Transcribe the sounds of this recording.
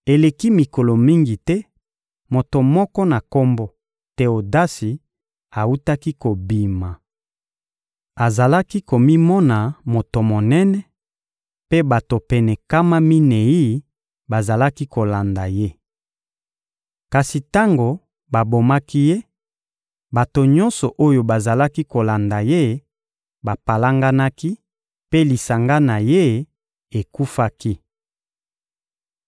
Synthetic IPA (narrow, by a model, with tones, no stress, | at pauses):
e˨le˨ki˦mi˨ko˨lo˨mi˦ŋɡi˨tɛ˦ | mo˨to˨mɔ˦kɔ˦na˨ko˦mbo˦ | tɛ˦o˨da˦si˨ | a˨u˦ta˦ki˦ko˨bi˨ma˨ | a˨za˨la˦ki˦ko˨mi˦mɔ˦na˨mo˨to˨mo˨nɛ˦nɛ˦ | pe˦ba˨to˨pɛ˨nɛ˨ka˦ma˦mi˦ne˨i˦ | ba˨za˨la˦ki˦ko˨la˨nda˨je˦ | ka˨si˨ta˦ŋɡo˨ | ba˨bo˨ma˦ki˦je˦ | ba˨to˨ɲɔ̃˦nsɔ˨ʔo˦jo˨ba˨za˨la˦ki˦ko˨la˨nda˨je˦ | ba˨pa˨la˦ŋɡa˦na˦ki˦ | pe˦li˨sa˨ŋɡa˦na˨je˦ | e˨ku˦fa˦ki˦